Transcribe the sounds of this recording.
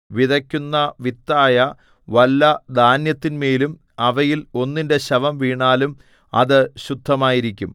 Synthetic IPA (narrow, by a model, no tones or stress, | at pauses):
ʋiðɐkʲːunːɐʋit̪ːaːjɐ | ʋɐlːɐd̪ʱaːnjɐt̪ːinmeːlum | ɐʋɐjilo̞nːinde̞ɕɐʋɐmʋiːɳaːlum | ɐ̰ðɨɕud̪ʱːɐmaːjiɾikʲːum